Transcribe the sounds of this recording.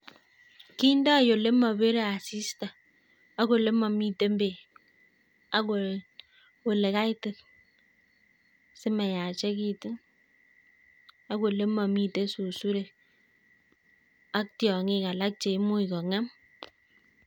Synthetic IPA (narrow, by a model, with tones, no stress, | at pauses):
ki˦n˦dɔ˦a˨jo˨le˦mɔ˨be˦ɾe˦a˨si˦sta˨ | a˦ko˨le˦mɔ˨mi˦te˦m˦be˨ | a˦ko˨ | o˨le˨ka˦i˦te˦k | se˦ma˨ja˨t͡ʃe˦ki˦te˦ | a˦ko˨le˦mɔ˨mi˨te˦su˨su˦ɾe˨ | a˦k̚tjɔ˨ŋi˦˨ka˨la˦k̚t͡ʃe˨i˦mu˦i˨kɔ˨ŋa˦m